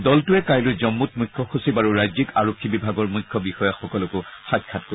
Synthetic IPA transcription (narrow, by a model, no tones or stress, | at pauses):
dɔltʊɛkajlʊzɔmːut̚mujkʰːɔxusibaɹuɹajzikaɹokʰːibibʱaɡɔɹmujkʰːɔbixɔjaxɔkɔlokoxatkʰat̚ko